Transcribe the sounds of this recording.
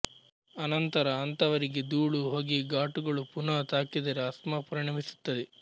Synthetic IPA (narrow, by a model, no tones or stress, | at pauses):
ɐnɐnt̪ɐɾɐːnt̪ɐʋɐɾiɡed̪uːɭuɦoːɡiɡaːʈuɡɐɭupunɐt̪aːkid̪ɐɾeɐsmɐpɾɐɳɐmisu̥t̪ːɐd̪e